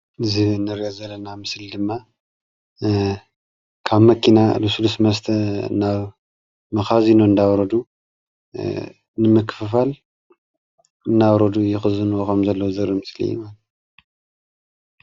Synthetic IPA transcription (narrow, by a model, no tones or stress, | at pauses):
ɨzɨnːɨɾiazɐlːɐnamɨsld̪ɨmːa | kʰaβmɐkʰinalusulusmɐst̪ʰɐnaβ | mɐxazinoɨnd̪awɾɐd̪u | nɨmɐkʰːɨ̥fɨfal | ɨnːawɾɐd̪ujɪxɨzɨnuwokʰɐmzɐlːɐwzɐɾimɨslḭjːṵmal